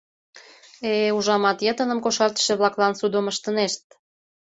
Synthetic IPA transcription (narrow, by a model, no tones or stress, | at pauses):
euʒɑmɑt̪jət̪ə̆nə̆mkoʃɑrt̪ə̥̆ʃĕβlɑklɑnsud̪oməʃt̪ə̆neʃt̪̚